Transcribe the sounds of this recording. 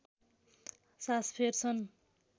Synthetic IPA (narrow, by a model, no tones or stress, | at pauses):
saspʰert͡sʰʌn